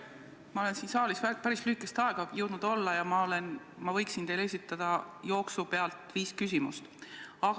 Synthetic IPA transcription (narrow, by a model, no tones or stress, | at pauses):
mɑo̞le̞nsiːnsɑːlisæpæɾislyhikˑest̪ɑe̞ɡ̥ɑjɤwd̪̥nud̪̥o̞lːɑjɑmɑolen | mɑvɤjksint̪e̞jle̞s̬ʲit̪ːˑɑd̪̥ɑjo̞ːksupe̞ɑlt̪ˑviːskys̬ʲimust̪ɑɡ